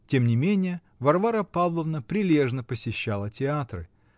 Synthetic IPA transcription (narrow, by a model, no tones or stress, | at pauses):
tʲe̞mnʲɪmʲenʲɪjə | vɐrvaɾəpavlˠəvnəpɾʲɪlʲe̞ʐnəpəsʲɪɕːalˠətʲɪat̪rɨ̰